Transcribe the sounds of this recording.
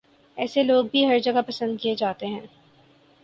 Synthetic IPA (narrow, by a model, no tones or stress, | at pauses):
ɛːseloːɡ̚bʱiɦɐɾd͡ʒɐɡapɐsə̃nd̪̚kied͡ʒaːt̪eɦɛ̃ː